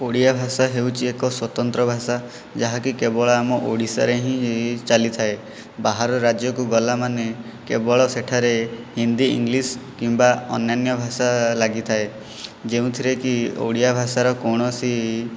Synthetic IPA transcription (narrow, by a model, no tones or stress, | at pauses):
oɽijabʱasaɦeuwt͡ʃʰiekɔswɔt̪ɔnt̪ɾɔbʱasa | d͡ʒaɦakikebɔɭɔamɔʔoɽisa̰ɾeɦĩt͡ʃalit̪ʰae | baɦaɾɔɾad͡ʒjɔkuɡɔlamane | kebɔɭɔseʈʰaɾehind̪iḭŋɡliskimbaɔnjanjɔbʱasalaɡit̪ʰae | d͡ʒeũt̪ʰiɾekio̰ɽijabʱasaɾɔkɔɽ̃ɔsi